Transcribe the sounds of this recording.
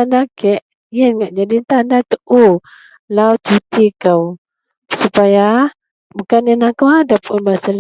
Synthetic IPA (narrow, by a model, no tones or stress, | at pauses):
anakɛʔ | iənŋaʔd͡ʒadint̪andat̪əʔo | lawt͡ʃut̪ikaw | supaja | bukanɛnakawadapʊnbasal